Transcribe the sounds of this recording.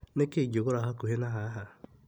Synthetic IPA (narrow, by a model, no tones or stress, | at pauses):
nekeɟoɣoɾaɦakuɦenaɦaɦa